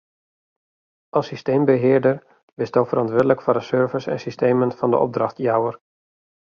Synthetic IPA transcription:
ʔɑsisteːmbəɦɪːɹdər | ʋɪsdowfərʔɑntʋɪɹdələkfɔrdəsøɹvəsɛ̰nsisteːmənfɑndə̰ʔɔ̰b̚drɑxtjawər

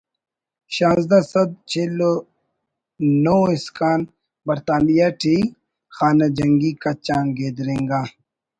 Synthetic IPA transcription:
ɕãːzd̪asɐd̪̚t͡ɕʰelo | noːiskaːn | bɐɾt̪aːnijaʈʰiː | xaːnad͡ʑɐŋɡikat͡ʃãːŋɡeːd̪ɾẽːŋɡaː

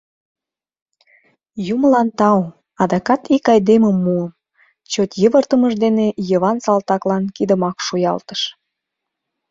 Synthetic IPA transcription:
juməlɑnt̪ɑw | ɑd̪ɑkɑt̪ikɑjd̪eməmːuəm | t͡ɕot̪jəβərt̪əməʒd̪enejəβɑnsɑlt̪ɑklɑnkid̪əmɑkʃujɑ̰lt̪ə̥ʃ

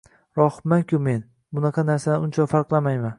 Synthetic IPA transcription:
ɾɒhmaŋkʰʲʊme̞n | bʊnɑqʰɑnaɾsad̪ʊnt͡ʃʰafaɾqlˠamajman

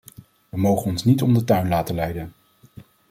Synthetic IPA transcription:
ʋəmowχənɔnsnitɔmdətœɥnlaːtəlɛjdən

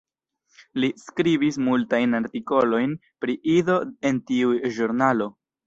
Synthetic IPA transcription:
liskɾibismultajnaɾtiko̞lo̞jn | pɾiʔido̞e̞ntiuʒuɾnalo̞

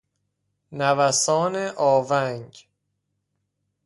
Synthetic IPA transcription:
nævæsɒːneʔɒːvæŋɟ

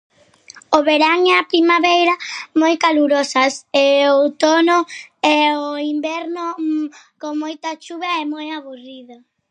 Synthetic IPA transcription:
oβeɾaŋɛapɾimaβejɾamojkaluɾɔsɐseot̪ɔnoɛoimbɛɾnʊ | koŋmojt̪ɐt͡ʃuβaɛmojaβuriðo

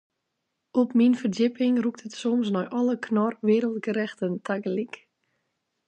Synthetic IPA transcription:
ɔpminfərdɪpɪŋruk̚tətsɔmsnɔjʔɔləkʰnɔrʋɪːɾəlˠtɡəɾɛxtəntʰaɡəlik

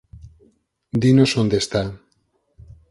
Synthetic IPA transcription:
d̪inosond̪est̪a

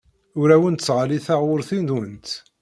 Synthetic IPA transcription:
ʊɾæwənt̪əsʁaliθæʁʊɾθind̪wənt̪

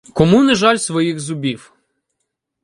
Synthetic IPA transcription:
kɔmunɐʒɑlʲsʋɔjiɣzʊbʲiw

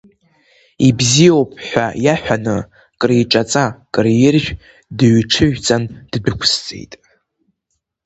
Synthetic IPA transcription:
ibzijowpʼħʷᶣajaħʷᶣanɨ | kʼrejʈ͡ʂʼat͡sʼakʼɨrjɪrʒʲᶣ | dɨɥʈ͡ʂʰɨʒᶣt͡sʼand̥bɨkʷʰst͡sʼḛjtʼ

